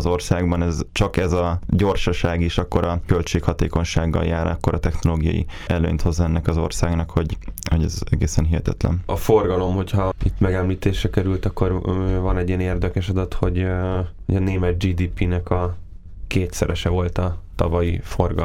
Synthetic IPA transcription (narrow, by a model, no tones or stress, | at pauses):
zo̞rsaːɡbɒnɛzt͡ʃɒkɛzɒɟo̞rʃɒʃaːɡeʃɒkːo̞ɾɒkølt͡ʃeːkhɒt̪eːko̞ɲʃaːɡːɒ̰ljaːɾɒkːoɾʔɒt̪ɛxno̞loːɡijɒ̰jḭʔɛlø̰ːɲt̪ho̞zːɒɛnːɛkɒzo̞̰rsaːɡnɒkho̞ɟhoɟɛzɛɡeːsɛnɦiɦɛt̪ɛ̰t̪lɛ̰nɒfo̞rɡɒlo̞mho̞chɒit̪mɛɡɛmliːt̪eːʃrɛkɛɾylt̪ɒkːorvɒnɛɟiɛneːrd̪ɛkɛʃɒd̪ɒt̪ho̞ɟhoɟɒneːmɛt̪̚d͡ʒiːd̪iːpinɛkɒ | keːt̪sɛɾɛʃɛvo̞lt̪ɒt̪ɒ̰vɒjifo̞rɡɒ